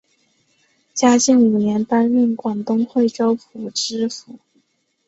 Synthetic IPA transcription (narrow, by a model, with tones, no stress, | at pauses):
t͡ɕja˥t͡ɕi˥˩ŋu˨˩njɛ˧˥npa˥nɥy˥˩nkwɑ˨˩ŋt̪ʊ˥ŋxwe˥˩ɪʈ͡ʂo˥ʊpʰu˨˩ʈ͡ʂɻ̩˥fu˨˩˦